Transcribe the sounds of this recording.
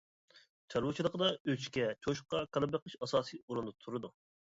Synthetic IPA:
t͡ʃʰɑɾwut͡ʃʰilˠəqʰəd̪ɑøt͡ʃkʲɛt͡ʃʰoʃqɑkʰɑnˠɨbəqəʃɑsɑːsiuɾund̪ɑt̪ʰuɾɨd̪u

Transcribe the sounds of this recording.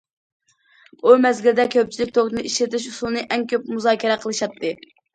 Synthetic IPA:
umɛzɡʲild̪ɛkʲʰøp̚t͡ʃʰilɪk̚ʲt̪ʰok̪nɨiʃlɪt̪ɪʃusulˠnɨʔɛŋkʲʰøp̚muzɑːkʲɛɾɛqʰəlˠɨʃɑt̪ʰːɨ

